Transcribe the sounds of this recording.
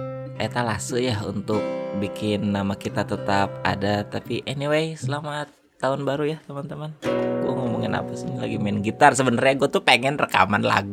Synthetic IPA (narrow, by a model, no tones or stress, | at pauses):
ʔet̪alasəjaɦṵnt̪ʊk̚bikɪnːamakit̪at̪ət̪ap̚a̰dat̪apiʔɛniwejsəlamat̪ːaʊnbaɾujaht̪əmant̪əmanɡuamomuŋɪnʔa̰pasiɲala̰ɡimɛnɡit̪arsəbənərɲaɡuat̪upeŋɛnrəka̰manla̰ɡu